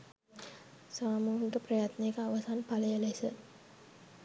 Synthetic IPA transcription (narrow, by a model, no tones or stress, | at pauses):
saːmuːɦiʈəprɐjat̪nejːkəaʋasanpaləjəlesə